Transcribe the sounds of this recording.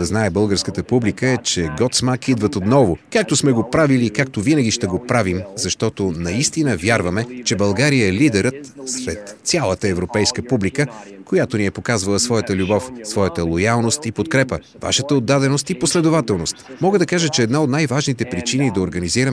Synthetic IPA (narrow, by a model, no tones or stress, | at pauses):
ɐznaɛbɤlˠɡəɾskət̪əpublikəɛt͡ʃɛɡɔt̪smakʰid̪vɐt̪ot̪nɔvokak̚t̪osmɛɡopɾaviliːkak̚t̪ovinəɡʲiʃt̪ɛɡopɾavimzɐʃt̪ɔt̪onɐist̪inəvjaɾvɐmɛt͡ʃɛbɐlˠɡaɾijəɛlid̪ɛɾət̪sɾɛt̪sʲalˠət̪əɛvɾopɛjskəpublikəkojat̪oniɛpokazvɐlˠəsvɔjət̪əlʲubɔfsvɔjət̪əlˠojalˠnost̪ipot̪̚kɾɛpə | va̰ʃət̪əod̪ːad̪ɛnost̪iposlɛd̪ovat̪ɛlˠnost̪mɔɡəd̪ɐkaʒət͡ʃɛːd̪naot̪najvaʒnit̪ɛpɾit͡ʃinid̪ɐoɾɡɐniziɾəm